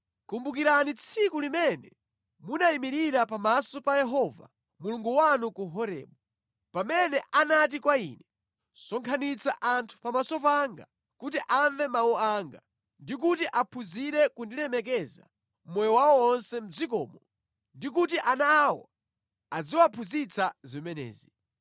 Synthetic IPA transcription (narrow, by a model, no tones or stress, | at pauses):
kumbuk̬iɾanit͡sʰikulimɛnɛ | munaimiɾiɾapamasɔpajɛɦɔva̰ | muluŋɡuwanukuɦɔɾɛ̰ːɓɔ | pamɛnɛʔanat̬ikwaḭːnɛ | sɔŋkʰanit͡sʰaʔantʰu̥pamasɔpaŋɡa̰ | kutiʔaɱvɛmawɔaːŋɡa | ndik̬utiʔapʰuziɾɛkundiɾɛmɛkɛza̰ | mɔjɔwawɔɔnsɛm̩d͡zik̬ɔ̰ːmɔ | ndik̬ut̬iʔanawɔ | ad͡ziwapʰuzit͡sazimɛnɛ̰ːzi